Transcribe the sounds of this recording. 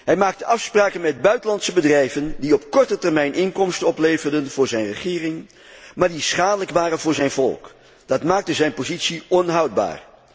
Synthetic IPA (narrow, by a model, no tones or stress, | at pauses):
ɦɛjmaːk̚təʔɑfspraːkənmɛd̚bœɥtəlɑntsəbədrɛjvəndiɔpkɔɹtətɛɹmɛjnʔɪŋkɔmstəɔplejvərdənv̥ʊːɹzɛjnrəχɪːrɪŋ | maːɹdisχaːdələkʋaːrənvʊːɹzɛjnvɔ̰lˠk | d̥ɑtmaːk̚təzɛjnpozitsiɔnɦʌwd̚ba̰ːɹ